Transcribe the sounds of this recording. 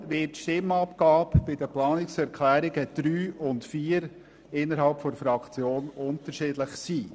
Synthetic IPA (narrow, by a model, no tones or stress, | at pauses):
ʋɪːtʃtɪmɑpɡ̥ɑːpb̥ɪdəplɑːnɪksɛɾkʰlæːɾɪɡəd̪̥ɾyːʊntfiːəɾ | ɪnːəɾɦɑlpfɔdɾəfɾɑkt͡sjoːnʊntəɾʃɪdləχsiː